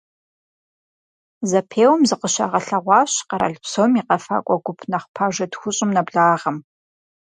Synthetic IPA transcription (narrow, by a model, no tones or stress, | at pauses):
zɐpʰeːwmzɨqəʃɐ̰ʁɐɬɐʁʷɑːɕqɐɾɐ̰ɮpsoːmiːqɐfa̰kʷʼɔɡʷʊpʰnɐχʷpʰaːʒɐdxʷʊɕʼɪmnɐbɮaːʁɐm